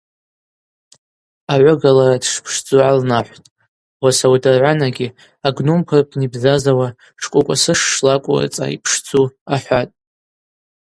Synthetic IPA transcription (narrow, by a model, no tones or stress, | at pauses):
aʕʷʊɡalaɾadʂpʰʂd͡zuʕalnaħʷtʼ | wasawdɨrʕʷanaɡʲi | aɡnumpʰɨrpʰnibzazawa | ʂkʷʼʊkʷʼa̰sɨʂːlakʷʼʊ̰ra̰t͡sʼa̰ḭpʰʂd͡zuaħʷatʼ